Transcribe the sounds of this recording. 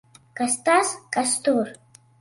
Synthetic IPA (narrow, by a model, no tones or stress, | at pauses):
kʼastʰʼaskʼastʰur